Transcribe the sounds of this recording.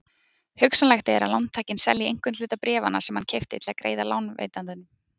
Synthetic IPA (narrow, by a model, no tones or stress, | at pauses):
hʏksanlɛxt̪ɪɛɾa̰lawnt̪ʰaːjcɪnsɛ̰lːjiejŋ̥kʏnlʏːt̪apɾɛːvana̰̥sɛmhancʰejft̪ɪt̪ʰɪlakɾḛːjðala̰wnvḛːjt̪ant̪ʏnːʏm